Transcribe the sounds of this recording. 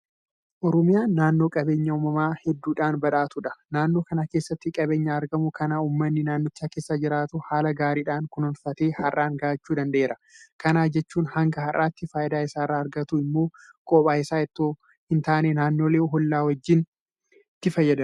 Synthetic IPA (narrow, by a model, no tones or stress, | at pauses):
ʔɔɾɔmɪjaːnːaːnːo̞ːkʼɐbe̞ːɲːɐuːmɐmaːhɛd̪ːuːᶑaːnbɐᶑaːt̪ʊᶑɐ̥naːnːoːkɐnakeːsːɐt̪ːɪkʼɐbe̞ːɲːaːɾɡɐmʊkɐnauːmːɐnːɪnaːnːɔɪt͡ʃːaːke̞ːsːaːd͡ʒɪɾaːt̪ʊhaːlɐɡaːɾiːᶑaːŋkʊnʊnfɐt̪eːhɐrʔːaːŋɡaːt͡ʃːuːd̪ɐnd̪ɐʔeːɾʔɐkɐnaːd͡ʒɛt͡ʃːuːnhɐŋɡɐɦɐrʔːaːt̪ːɪfaːjɪd̪aːɪsaːrːaːɾɡɐt̪uɪmːo̞ː | kʼoːpʼaːɪsaːɛt̪ːoː | hɪnt̪aːnenaːnːo̞ːleːɦɔlːaːwɐd͡ʒːɪn | t̪ːɪfɐjːɐd̪ɐ